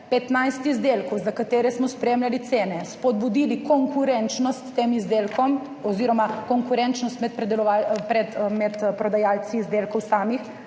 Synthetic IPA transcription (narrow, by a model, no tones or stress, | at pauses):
pɛt̪najst̪izd̪elkɔwzakat̪eːɾɛsmɔspɾeːmlalit̪seːnɛspɔd̪̚bud̪ilikɔŋkuɾɛnt͡ʃnɔst̪ːeːmizd̪eːlkɔm | ɔziːɾɔmakɔŋkuɾɛnt͡ʃnɔst̪mɛt̪̚pɾɛd̪ɛlɔʋaːpɾɛt̪mɛt̪pɾɔd̪ajaːlsizd̪eːlkɔwsaːmix